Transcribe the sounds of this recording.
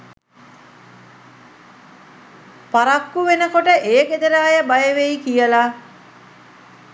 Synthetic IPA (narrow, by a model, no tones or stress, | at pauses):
paɾakːuʋenəkoʈəʔeːɡed̪əɾaːjəbajəʋejikijəla